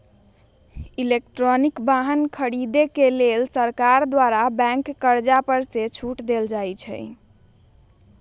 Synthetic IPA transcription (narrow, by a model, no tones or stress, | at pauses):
ilekʈɾɔnikbaɦənkʰəɾid̪ekelelsəɾkaɾd̪waɾabɛ̃ŋkːəɾd͡ʒapəɾset͡ʃʰuʈd̪eld͡ʒajt͡ʃʰɛ̰